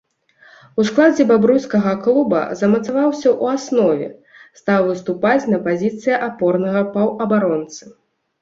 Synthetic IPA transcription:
usklˠad͡zʲɛbabɾuskɐɣɐklˠubɐ̰zɐmɐt̪savawsʲɐʔuasnɔvʲɛ̰ | st̪awvɨst̪upat͡sʲnɐpazʲit̪sɨjɐʔapɔrnɐɣɐpɐwɐbaɾɔnt̪sɨ

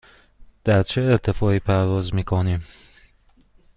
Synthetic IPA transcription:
d̪̥æɾt͡ʃʰeːɾt̪ʰefɒːiːpʰæɾvɒːzmiːkʰoniːm

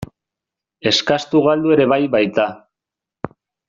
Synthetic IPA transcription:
e̞skast̪uɣald̪ue̞ɾe̞βajβajt̪a

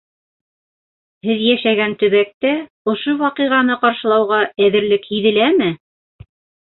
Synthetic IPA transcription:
hɘðjæʃæɡænt̪ɵ̆βæk̚t̪æ | ŏʃowɑqiʁɑnɤqɑɾʃɤ̆lˠɑwʁɑæðɘ̆ɾlɘkhiðɘ̆læmɘ

